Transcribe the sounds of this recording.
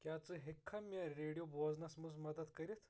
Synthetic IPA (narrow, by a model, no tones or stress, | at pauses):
kjat͡səːɦekʰːamjaɾeɽijobɔd͡znasməsmɐd̪ət̪kəɾet̪